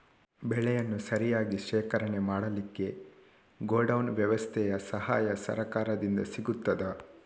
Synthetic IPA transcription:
bɛɭɛjɐnːusɐɾijaːɡiʃɛːkɐɾɐɳe̞maːɽɐlikːe̞ | ɡoːɖɐwnʋjɐʋɐst̪ʰɛjɐsɐɦa̰ːjɐsɐ̰ɾɐkaːɾɐd̪ind̪ɐsiɡut̪ːɐd̪ɐ

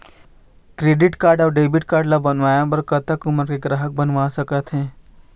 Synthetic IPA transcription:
kɾeːɖɪʈkaːɾɖɔːɾɖeːbɪʈ̚kaːɾɖlabɐnʋaːjãpɐɾkət̪akʊməɾkeɡɾaːɦək̚bɐnʋasəkət̪ɦɛ̃ː

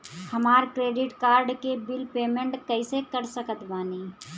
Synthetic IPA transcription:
hɐmaːɾkɾeːɖɪʈkaːɾɖkebɪlpeːmẽɳʈkɐɪsekɐɾsəkət̪baːniː

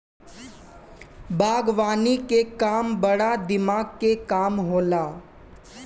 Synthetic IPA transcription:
bʱaːɡʋaːnikekaːmbəɽad̪ɪmaːɡkekaːmɦoːlaː

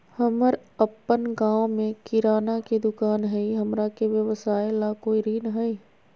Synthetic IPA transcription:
hɐməɾɐpːənɡãːwmẽkɪɾaːnaked̪ʊkaːnɦɛiɦɐmɾakeʋjəʋəsaːelakoːiɾiːnəɦɐi

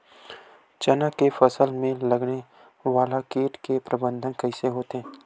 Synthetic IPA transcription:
t͡ʃɐnakefɐsəlmẽlɐɡne | ʋaːlakeːʈkepɾɐbə̃nd̪ʱənkɐɪseɦoːt̪eɦɛ̃ː

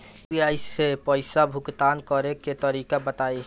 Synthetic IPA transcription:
iaɪepəɪsabʱʊkt̪aːnkɔɾeket̪əɾiːkabət̪aːi

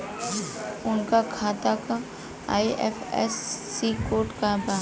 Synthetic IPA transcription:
ʊnkakʰaːt̪aka | a̰ːiʔɛ̰fɛ̰sːikoːɾʈkabaː

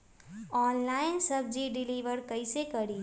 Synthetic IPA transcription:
ɔːnlaːɪnsəb̚d͡ʒiɖɪliʋəɾkəɪsekəɾi

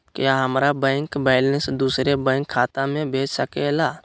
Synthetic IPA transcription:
kjaːɦəmɾabɛ̃ːŋkbɛːlnəsd̪uːsɾebɛ̃ːŋkʰːaːt̪ãmẽbʱeːt͡ʃsəkelaː

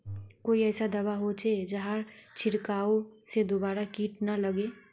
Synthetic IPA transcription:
koːiɛːsad̪ɐbaɦot͡ʃʰed͡ʒəɦaɾt͡ʃʰɪɾkaːosed̪obaːɾakiːʈnaləɡe

